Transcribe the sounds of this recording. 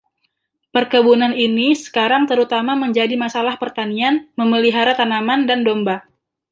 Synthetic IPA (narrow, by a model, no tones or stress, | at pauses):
pərkəbunaninisə̥kaɾaŋt̪əɾut̪amaməɲd͡ʒadimasalahpərt̪anianməməliɦaɾat̪anamandandomba